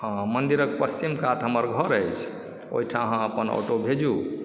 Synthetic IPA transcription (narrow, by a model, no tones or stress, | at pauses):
ɦãmənd̪iɾək̚pəst͡ʃimkat̪ɦəməɾɡʱəɾəjt͡ʃʰ | o̰ɦiʈʰaəɦãəpənɔ̰ʈobʱed͡ʒu